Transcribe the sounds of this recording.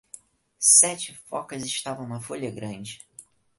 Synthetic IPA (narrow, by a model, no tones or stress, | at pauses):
sɛt͡ʃɪfɔ̰kɐzɪʃt̪avɐ̃w̃nɐfoʎʲɐɡɾɐ̃d͡ʒɪ